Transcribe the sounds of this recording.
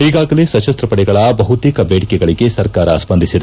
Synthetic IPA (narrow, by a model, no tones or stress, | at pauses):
iɡaːɡɐlesɐt͡ʃɐst̪ɾɐpɐɽɛɡɐɭɐbɐɦut̪iːkɐbeːɽikɛɡɐɭiɡe̞sɐɾkaːɾɐ̰spɐnd̪isid̪e